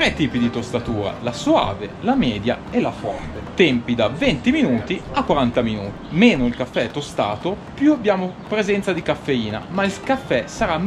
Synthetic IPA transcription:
t̪ɾɛt̪ːiːpid̪it̪ost̪at̪uːɾa̰lasoa̰ːvḛlamɛːd̪jaelafɔ̰ɾfet̪ɛmpid̪avɛnt̪iminuːt̪iakːwaɾant̪aminṵːt̪imeːnoilkafːɛɛt̪ːost̪a̰ːt̪opjuabːjaːmopɾezɛnt̪sad̪ikafːeiːna̰mailkafːɛsaɾa

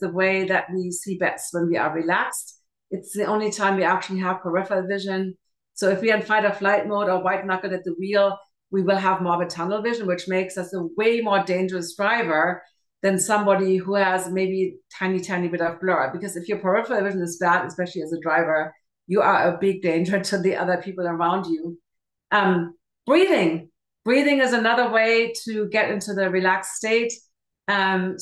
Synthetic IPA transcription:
ðəweɪðɨʔ̚wisibɛtswə̃nwiə̰˞ɹilækst | ɨtsðiʔõʊ̃nlitʰãɪ̃mwiæk̚t͡ʃʉl̩ˠiɦəv̥pʰə˞ɪfəvɪʒɨ̃n | soʊɨfwiɨ̃nfãɪɾəflaɪt̚moʊɾə˞waɪtⁿnʌkl̩ˠdɨt̪̚ðəɹilˠ | wiwɪlˠəvmɔɹbɨtʰʌnl̩ˠvɪʒə̃n̩wɨt͡ʃmeɪksʌsəweɪmɔɹdẽɪ̃nd͡ʒə˞ɨsd̥ɹaɪvə˞ | ðɨ̃nsʌ̃mbɑɾiɦuəzmeɪbitʰãɪ̃nitʰãɪ̃nibɪɾʌvblɔɹəbɨkʌzɨfjə˞pʰɹ̥aəfə˞ðəvɪʒə̃nɨzb̥æɾɨspɛʃl̩ˠiɨzədɹaɪvə˞ | jɨə˞əbɪɡ̚dẽɪ̃nd͡ʒə˞ɾʰɨðiʔʌ̰ðə˞pʰipl̩ˠə˞ãʊ̃nd͡ʒu | ʔʌ̃m | b̥ɹiðɪ̃ŋ | b̥ɹiðɪ̃ŋɨzənʌðə˞weɪɾɨɡɛɾɪ̃ntʉðɨɹilæksteɪt | ʌ̃m

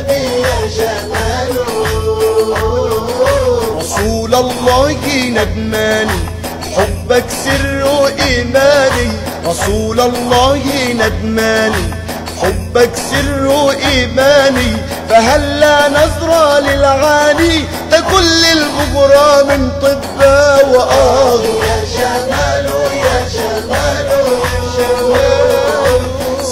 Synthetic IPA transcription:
ɾˤɑsuːlalˤːɑːhɪnad̪maːniː | ħʊbːaksɪrːuʔiːmaːniː | ɾˤɑsuːlalˤːɑːhɪnad̪maːniː | ħʊbːaksɪrːuʔiːmaːniː | faɦalːaːnɑðˤɾˤɑːlɪlʕaːniː | t̪akʊlːɪlbʊɡɾˤɑːmɪnt̪ˤɨbːaːwaʔɑːɣ

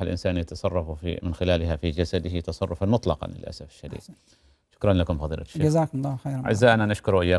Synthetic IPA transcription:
ɪlʔɪ̰nsaːnjat̪ɑsˤɑrˤːɑfufḭmɪnxɪlaːlɦafid͡ʒasad̪ɪhɪt̪ɑsˤɑrˤːʊfanmʊt̪ˤlɑqɑ̰nlɪ̰lʔa̰safɪ̥ʃːad̪ḭːd̪̥̚ | ʃʊ̥kɾˤɑnlakʊmfɑðˤḭːlʔa̰̥ʃːd͡ʒazaːkʊmlˤːɑːxejɾʕɪ̰zːaːʔnanɪʃkʊɾʔɪjːaː

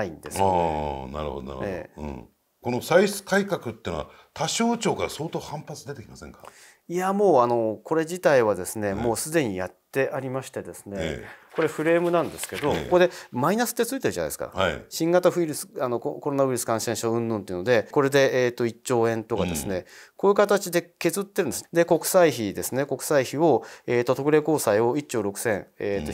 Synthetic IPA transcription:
aḭ̃nd̪es | na̰ɾɯ̟̰ho̰d̪ona̰ɾ̰ɯ̰ḛɯ̰̃ | ko̞no̞saisɨ̥kaikakɯt̪ːeiɯnoa̰ | t̪ʰaɕo̞ːt͡ɕo̞ːkaɾaso̞ːt̪oːhãmpat͡sɨd̪e̞t̪ekʲimasḛ̃ŋka | iamo̞ːano̞ko̞ɾe̞d͡ʑit̪aiβad̪e̞sɨne̞mo̞ːsɨd̪e̞ɲ̟ijat̪ːe̞ʔaɾʲimaɕi̥t̪e̞d̪e̞sɨ̥ne̞̰ko̞ɾe̞ɸɯ̟ɾe̞ːmɯ̟nãnd̪e̞sɨ̥ke̞d̪o̞kokod̪e̞mainasɨ̥t̪ːet͡sɨit̪eɯ̟ʑana̰d̪esɨ̥ka̰ɕĩŋɡat̪aɸɯ̟iɾɯ̟sɨ̥ano̞kkoɾo̞naβɯiɾɯsɨ̥kãɰ̃sẽ̞ɰ̃ɕoɯ̟̃nːõnt̪eiɯnod̪e̞ko̞ɾe̞d̪e̞ːt̪ːo̞it͡ɕɕo̞ːẽ̞nt̪o̞kad̪e̞sɨne̞ko̞ːjɯ̟kat̪at͡ɕid̪e̞ke̞zɨt̪ːe̞ɾɯ̟nd̪ed̪e̞ko̞kɯ̟̥saiçid̪e̞sɨne̞ko̞kɯ̟̥saiçio̞eːt̪ːo̞t̪o̞kɯ̟ɾe̞ko̞ːsaio̞it͡ɕt͡ɕːo̞ːɾo̞kɯ̟̥sẽ̞ŋeːt̪ːo

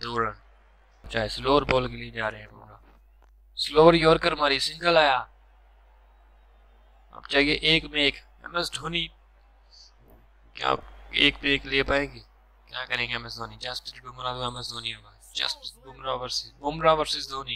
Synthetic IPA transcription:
d̪oːɾəɳ | p̚t͡ʃaːeːsloːəɾboːlkelieːd͡ʒaːɾeɦɛ̃ːɡʊ̰mɾaː | sloːʋəɾjoːɾkəɾmaːɾiːsɪ̃ŋɡəlaːjaː | ɐ̰bt͡ʃaːɦieːʔeːkmeːk | ɛ̰məsɖʱoːniː | kja̰ːeːkmeːkleːpaːeːɡeː | kjaːkəɾẽːɡɛməsd̪ʱoːniːd͡ʒɐstɪɾkeːmʊnaːzbɛməsd̪oːniːomaːd͡ʒɐ̰stɡʊmɾaːʋəɾsɪsɡʊmɾaːʋəɾsɪsd̪ʱoːniː

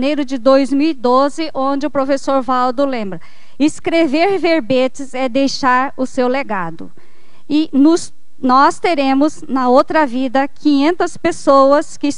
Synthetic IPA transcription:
nejɾʊd͡ʒɪd̪ojzmiwid̪ozɪʔõd͡ʒɪʊpɾofesoɾvawd̪ʊlẽmbɾɐ | ɪskɾeveɾveɾbet͡ʃɪzɛd̪ejʃaɾʊsewleɡad̪ʊ | ɪnʊs | nɔst̪eɾẽmʊznɐowt̪ɾɐvid̪ɐkʰĩɲẽnt̪ɐspesowɐskɪs

